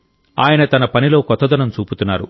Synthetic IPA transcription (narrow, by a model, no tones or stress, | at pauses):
aːjɐnɐt̪ɐnɐpɐnilo̞ːkɔt̪ːɐd̪ɐnɐmt͡ʃuːput̪unːaːɾṵ